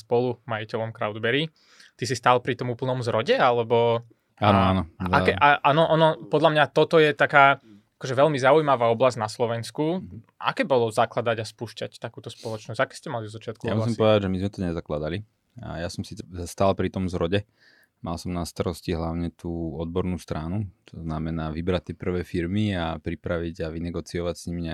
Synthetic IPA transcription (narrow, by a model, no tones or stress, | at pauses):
spɔlumajicɛlɔmkɾaʊd̪bɛɾi | t̪isist̪aːlpɾit̪ɔmuːpl̩nɔmzɾɔɟɛalɛbɔ | aːnɔaːnɔakɛʔaʔaːnɔʔɔnɔpɔd̪lamɲat̪ɔt̪ɔjɛt̪akaː | akɔʒɛʋɛlmizaujmaʋaːɔblazɟnaslɔʋɛnsku | ʔa̰kɛːbɔlɔzaklad̪aɟaspuːʃcact̪akuːt̪ɔspɔlɔt͡ʃnɔsz̥ɟakɛ̥ːscɛmalid̪ɔzat͡ʃɪat̪̚kujamus̬imɔʋɛd̪aɟʒɛmizmɛt̪ɔɲɛzaklad̪alḭ | jasɔmsiːt͡sɛst̪aːlpɾit̪ɔmzɾɔɟɛ | malsɔmnast̪aɾɔsciɦlaʊɲɛt̪ʰuːɔd̪̚bɔɾnuːst̪ɾanut̪ʰɔznamɛnaːʋibɾac̚t̪ːɛːpr̩ʋɛːfiɾmiapɾipɾaʋiɟaʋinɛɡɔt͡siɔʋacsɲimiɲɛ